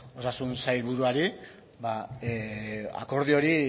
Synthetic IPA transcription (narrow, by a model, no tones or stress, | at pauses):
o̞sasunsajɾβuɾuaɾi | baea̰ko̞ɾð̞io̞ɾi